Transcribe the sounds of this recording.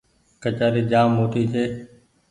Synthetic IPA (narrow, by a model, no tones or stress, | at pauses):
kət͡ʃaːɾiːd͡ʒaːmɦoːʈ̪ʰiːt͡ʃʰeː